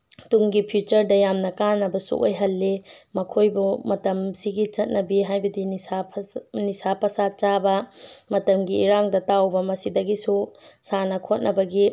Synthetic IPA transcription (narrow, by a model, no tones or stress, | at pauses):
tuŋɡipʰjut͡ʃɐɾdɐjamnɐkanɐbɐsṵʔo̰jɦɐlːemɐkʰojbumɐtɐmsiɡit͡ʃɐt̚nɐbiɦajbɐdinapnisapɐsat͡ʃabɐmɐtɐmɡiːɾaŋdɐtawbɐmɐsidɐɡisusanɐkʰot̚nʔɐbɐɡi